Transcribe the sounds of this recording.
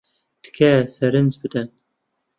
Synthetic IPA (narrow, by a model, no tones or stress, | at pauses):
d̪̥ɨ̥kʰɛsɛɾɨnzbɨd̪ɛn